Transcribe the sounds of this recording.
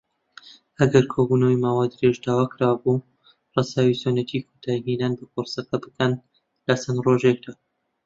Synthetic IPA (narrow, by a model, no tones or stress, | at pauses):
ʔɐɡɐɾkʰobunɐwimaːwaːd̪ɨɾeʃd̪aːwaːkʰɾaːwbu | rɑsaːwisonɐt̪ʰikʰot̪ʰaːjɦinaːnbɐpoɾsɐqɐbɨkʰɐn | lasɐnd̪roʒek̚d̪aː